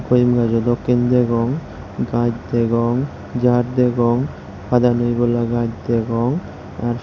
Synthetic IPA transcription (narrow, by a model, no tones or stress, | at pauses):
kojmɡad͡ʒɔd̪ɔkːind̪ɛɡɔŋ | ɡad͡ʒd̪ɛɡɔŋ | d͡ʒaɾd̪ɛɡɔŋ | bad̪anojɡɔlaɡãd͡ʒd̪ɛɡɔŋ | aɾ